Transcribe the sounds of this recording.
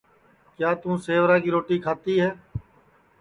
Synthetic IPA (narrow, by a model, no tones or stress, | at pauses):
kjaːt̪ũːseːʋɾãːkiːɾoːʈiːkʰaːt̪iːɦɛː